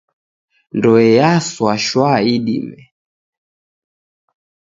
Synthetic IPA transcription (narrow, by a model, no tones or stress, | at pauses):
ndɔɛjaswaʃwaiɗḭmɛ